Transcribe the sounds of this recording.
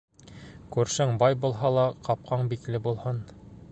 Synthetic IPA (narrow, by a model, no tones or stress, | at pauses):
kʉɾʃɘŋbɑjbulˠɦɑlˠɑqɑp̚qʰɑɴbiklɘbulˠhɤn